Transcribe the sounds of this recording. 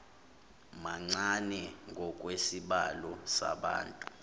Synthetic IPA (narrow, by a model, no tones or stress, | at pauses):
maŋ͡ǀanɛŋʱɔk̬ʼwesiɓalɔsa̰ɓa̰ːntʼu